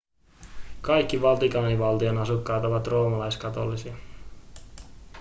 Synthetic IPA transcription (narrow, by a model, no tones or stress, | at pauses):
kɑjkːiʋɑlt̪ikɑːniʋɑlt̪ionɑsukːɑːt̪o̞ʋɑt̪ro̞ːmɑlɑjskɑt̪olːisiɑ